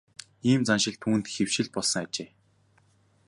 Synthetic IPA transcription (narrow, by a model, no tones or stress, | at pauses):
iːmt͡sanʃɪ̆ɮt̪ʰuːnt̪xew̥ʃɪ̆ɮ̚pɔɮsɞ̆ŋat͡ɕeː